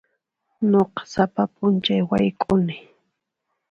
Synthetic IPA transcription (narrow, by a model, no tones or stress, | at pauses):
noqɑ̥sapapʼʊnt͡ʃajwajkʼʊnɪ